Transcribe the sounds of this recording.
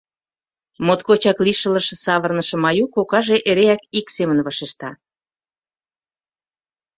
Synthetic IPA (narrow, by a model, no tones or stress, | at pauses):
mot̪kot͡ɕɑkliʃə̆lə̆ʃə̆sɑβərnəʃə̆mɑjukokɑʒeʔeɾeækiksemənβɑʃeʃt̪ɑ